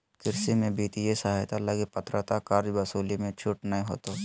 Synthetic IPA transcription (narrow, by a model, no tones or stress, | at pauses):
kɪɾsimẽbiːt̪ijesaɦajt̪aləɡepɐt̪ɾət̪akaːɾd͡ʒbɐsuːlimẽt͡ʃʰʊʈnəɦĩɦo̰ːt̪oː